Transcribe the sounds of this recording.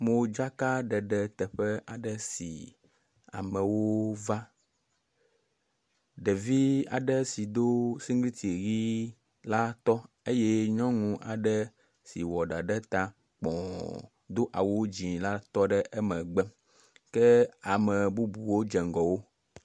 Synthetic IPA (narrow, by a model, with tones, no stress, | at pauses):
mo˨d͡ʒa˦ka˦ɖɛ˨ɖɛ˨t̪ɛ˨ɸɛ˦ʔa˨ɖɛ˨sḭ˨ | a̰˨mɛ˨wo˦va˦ | ɖɛ˨vi˦a̰˨ɖɛ˦si˨d̪o˦si˦ŋɡli˦t̪ʰi˨ɣi˦ | la˦t̪ɔ˦ | e˦jɛ˦ɲɔ̃˦ŋũ˦ʔa̰˨ɖɛ˦ | si˨wɔ˨ɖa˨ɖɛ˦t̪a˦ | k͡pɔ̰̃˨ | d̪o˦ʔa̰˨wo˦d͡ʑĩ˨la˦t̪ɔ˦ɖɛ˦ʔɛ˦mɛ̃˨ɡ͡bɛ˦ | kɛ˦a˨mɛ˨bu˦bu˨wo˦d͡ʒɛ˨ŋɡɔ˨wo˦